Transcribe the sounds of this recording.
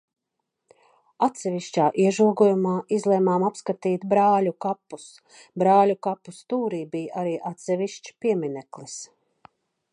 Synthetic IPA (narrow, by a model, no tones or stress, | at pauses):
at̪sɛviʃt͡ʃaːʔiɛʒuɔɡɔjumaːʔizlˠɛmaːmapskat̪iːt̪bɾaːlʲukapːus | bɾaːlʲukapːust̪uːɾiːbijʔaɾiːʔat̪sɛviʃt͡ʃpiɛminɛklˠis